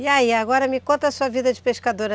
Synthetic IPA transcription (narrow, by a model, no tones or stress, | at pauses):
iaiaɡɔɾɐmɪkõnt̪ɐːsuɐvid̪ɐd͡ʒɪpeʃkad̪oɾɐ